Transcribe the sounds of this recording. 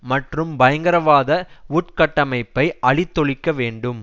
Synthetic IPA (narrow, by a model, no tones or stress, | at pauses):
mɐʈrɯmbɐjɐŋɡɐɾɐʋaːðɐuːʈkɐʈːɐmɐɪpːɐɪɐɭɪt̪ːɔɭɪkːɐʋeːɳɖɯm